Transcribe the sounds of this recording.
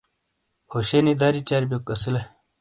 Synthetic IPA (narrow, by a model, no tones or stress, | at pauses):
hoɕenid̪aɾit͡ɕaːɾbʲjokɐsile